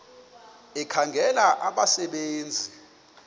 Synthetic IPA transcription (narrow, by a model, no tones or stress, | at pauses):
ɛkʰaŋʱɛlaʔaɓasɛɓeːnd͡zʱi